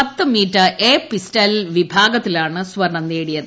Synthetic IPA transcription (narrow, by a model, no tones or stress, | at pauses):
ɐt̪ːɨmiːtːɐʔeːpistɐlʋibʱaːɡɐt̪ːilaːɳɨswɐɾɳɐnːeːɽijɐðɨ